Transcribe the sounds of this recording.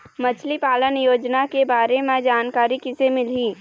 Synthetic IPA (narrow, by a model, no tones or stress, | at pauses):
mɐt͡ʃʰlipaːlənjoːd͡ʒnakebaːɾemẽd͡ʒaːnkaːɾikɪsemɪliː